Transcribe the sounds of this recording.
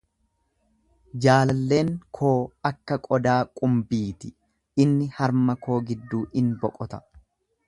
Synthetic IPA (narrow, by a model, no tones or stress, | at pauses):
d͡ʒaːlɐlːe̞ːŋkʰo̞ːɐkːɐkʼɔd̪aːkʼʊmbiːt̪ɪ | ɪnːɪhɐɾmɐkʰo̞ːɡɪd̪ːuːʔɪnbɔkʼɔt̪ɐ̥